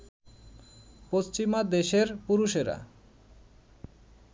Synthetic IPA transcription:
post͡ɕimad̪eʃeɾpuɾuʃeɾa̰

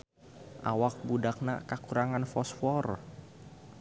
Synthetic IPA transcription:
ʔa̰wak̚budak̚nakakuɾaŋanfɔsfɔr

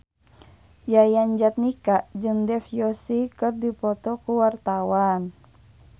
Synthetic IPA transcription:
d͡ʒajand͡ʒat̪̚nikaʔd͡ʒɨŋdɛfjɔsikɨrdipɔt̪ɔkuwart̪awan

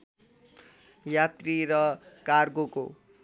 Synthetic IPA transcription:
jat̪riɾʌkarɡoko

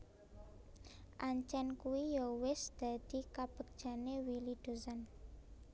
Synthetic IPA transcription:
ʔaɲt͡ʃɛnkuijowɪsd̪̥a̤d̪̥i̤kab̥ək̚ʒ̥a̤newilid̪̥o̤san

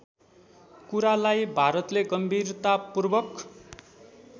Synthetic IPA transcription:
kuɾalajbʱaɾʌt̪leɡʌmbʱirt̪apurbʌk

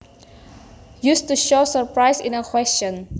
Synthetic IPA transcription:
justuʃosəɹpɹajsḭ̃nəkʰwɛst͡ʃɔ̃n

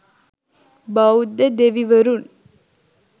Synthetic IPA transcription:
bɐud̪ːed̪eʋiʋəɾun

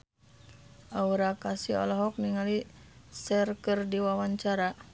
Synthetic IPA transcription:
ʔauɾakasiɔ̰lɔɦɔk̚niŋalisɛrkɨrdiwawaɲt͡ʃaɾa

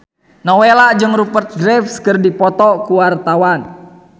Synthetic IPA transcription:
nɔwelad͡ʒɨŋɾupərt̪̚ɡɾɛfskərdipɔt̪ɔkuwart̪awan

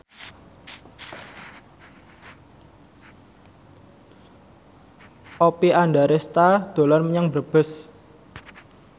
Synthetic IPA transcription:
ʔopiaɳɖaɾest̪ad̪̥o̤lanməɲaŋbərb̥ə̤s

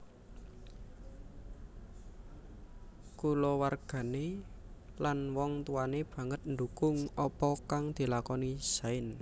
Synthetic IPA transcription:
kulɔwarɡ̥ä̤ne | lanwɔŋt̪uwaneb̥ä̤ŋət̪̚nd̪ukʊŋɔpɔkaŋd̪̥i̤lakɔnisaɪn

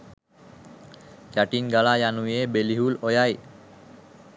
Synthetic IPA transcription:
kaʈinɡalajanuebeliɦulojaj

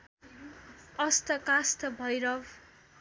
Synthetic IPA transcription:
ʌst̪ʌkast̪ʌbʱʌjɾʌw

